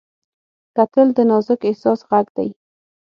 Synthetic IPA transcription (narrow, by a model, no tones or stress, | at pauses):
kat̪əld̪ənɑzɪkɪhsɑsɣaɡd̪aj